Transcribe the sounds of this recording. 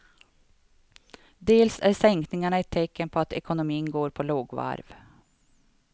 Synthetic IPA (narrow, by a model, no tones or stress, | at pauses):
d̪eːlsæ̰ɾsɛŋknɪŋaɳəɛt̪ʰːɛkːənpʰɔat̪ɛkʊnʊmiːnɡoːɾpʰɔloːɡʋa̰ɾv